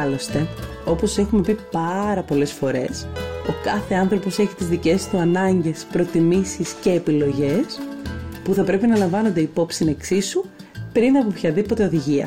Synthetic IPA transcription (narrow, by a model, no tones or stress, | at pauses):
lo̞st̪e̞ | o̞po̞se̞xume̞pipɐɾɐpo̞lesfo̞ɾe̞so̞kɐθe̞ɐnθɾo̞po̞se̞çi̥t̪izðice̞st̪uɐnɐɲɟe̞spɾo̞t̪imisisce̞ːpilo̞ʝe̞spuθɐpɾe̞pinɐlɐɱvɐno̞nd̪eipo̞psineksisu | pɾinɐpo̞pçɐðipo̞t̪eo̞ðiʝiɐ̰